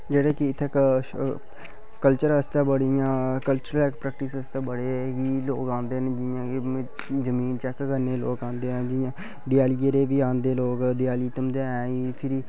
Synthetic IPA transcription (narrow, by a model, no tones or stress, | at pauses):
d͡ʒeːɽeːkiɪt̪ʰːeːk | kəlt͡ʃəɾəst̪ãːbəɽijãːkəlt͡ʃəɾəlɛkpɾɛːk̚ʈɪsəst̪aːbəɽeːɦiːloːkãːnd̪eːneːd͡ʒɪjãːkː | zəmiːnt͡ʃɛːkkəɾneːloːkãːnd̪eːɦɛ̃ːd͡ʒɪjãː | d̪ɪjaːliəɾeːʋiːãːnd̪eːloːkd̪ɪjaːliːt̪əmd̪eːɛ̃ːiːpʰɪɾiː